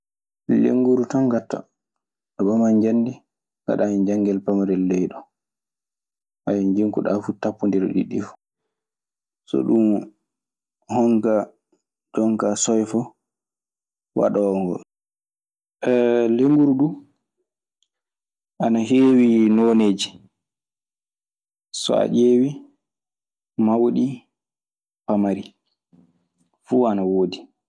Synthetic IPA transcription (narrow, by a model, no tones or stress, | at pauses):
lḛŋɡuɾutɔnɡatːa̰ | ɗɔbamaɲd͡ʒanːdi | ŋɡa̰ɗajind͡ʒaŋɡɛlpamaɾɛlːɛjɗɔ | ʔajɛnd͡ʒiŋkuɗafutapːundiɾɔ̰ɗḭɗːifu̥ | sɔ̰ɗum | hɔŋka | d͡ʒɔŋkasɔjfɔ | wa̰ɗɔŋɡɔ̰l | ɛleŋɡuɾɗu | ʔanaɦeːwinoːneːd͡ʒi | sɔ̰a̰d͡ʒeːwi | mawɗi | pamaɾi | fuanawoːdi